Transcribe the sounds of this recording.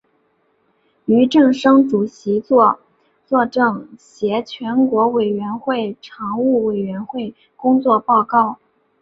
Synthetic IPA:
y˧˥ʈ͡ʂɤ˥˩ŋʂɤ˥ŋʈ͡ʂu˨˩ɕi˧˥t͡swɔ˥˧ | t͡swɔ˥˧ʈ͡ʂɤ˥˩ŋɕjɛ˧˥t͡ɕʰɥɛ˧˥nkwɔ˧˥we˨˩ɪɥɛ˧˥nxwe˥˩ɪʈ͡ʂʰɑ˧˥ŋu˥˩we˨˩ɪɥɛ˧˥nxwe˥˩ɪ | kʊ˥ŋt͡swɔ˥˧pɑ˥˧ʊkɑ˥˩ʊ

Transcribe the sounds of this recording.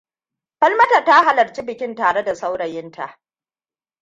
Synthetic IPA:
ɸɐ˦lmɐ˦ta˨ta˦ɦa˨lɐ˨ɾt͡ʃi˦bɪ˨kʲɪ˦ntaː˨ɽe˦da˨sa˦wɽɐ˨jɪ˦nta̰˨ʔ

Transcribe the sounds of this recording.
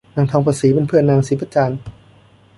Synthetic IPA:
naː˧ŋt̪ʰɔː˧ŋpʰaː˧siː˩˦pe˧npʰɯ˥˩ənːaː˧ŋsiː˩˦pʰa˧˥t͡ɕaː˧n

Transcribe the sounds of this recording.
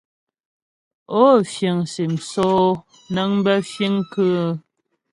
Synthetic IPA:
o˦fjə˨ŋse˨m̩˨sɔː˦ | nə˦ŋmbɛ˦fji˦ŋkə˦

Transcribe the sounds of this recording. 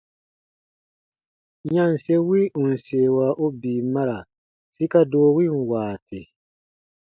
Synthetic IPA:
ɲã˦n̩˨se˦wi˦ũ˨n̩˨se˨waː˨˦ʔo˦biː˨ma˦ɾa˨ | si˦ka˦doː˨˦wi˦˨nwaː˨tʰi˨

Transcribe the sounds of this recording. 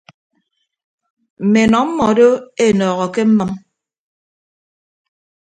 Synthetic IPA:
m̩˨me˨nɔ˨˦m̩˦mɔ˨˦do˦e˦˨nɔː˨ɣɔ˨ke˦m̩˦mə˦m

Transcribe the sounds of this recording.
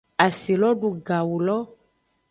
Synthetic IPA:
a˨si˨lɔ˦ɖu˨ɡa˨wu˨lɔ˦

